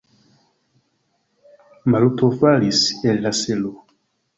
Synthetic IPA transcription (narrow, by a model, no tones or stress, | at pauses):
malutofalisɛlːaselo